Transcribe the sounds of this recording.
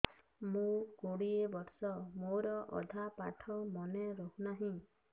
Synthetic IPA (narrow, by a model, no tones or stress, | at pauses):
mũkoɽiebɔɾsɔmoɾɔʔɔ̰d̪ʱapa̰ʈʰɔmɔneɾoɦunaɦĩ